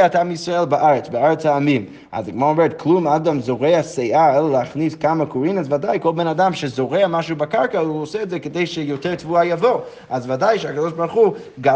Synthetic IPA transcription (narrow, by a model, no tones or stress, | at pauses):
at̪amjisʁaelˠbaʔaʁet͡sbeaʁet͡shaːmim | a̰zaɡmaomeʁtklumadamzoʁeasejʔaeleleaχniskamakuʁinazvadajkolˠbenadamʃezoʁeamaʃubakaʁkauoseːtzekedejʃejoteʁtvuajavo | azvadajʃehakadoʃbaʁχu | ɡa